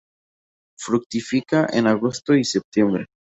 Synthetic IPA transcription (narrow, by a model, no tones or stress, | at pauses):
fɾuk̚t̪ifikaʔḛnaɣost̪oisep̚t̪jembɾe